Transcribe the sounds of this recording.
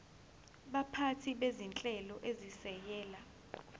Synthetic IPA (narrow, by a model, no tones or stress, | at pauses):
ɓapʰatʰiɓezint͡ɬʼɛlɔʔezisɛjɛːla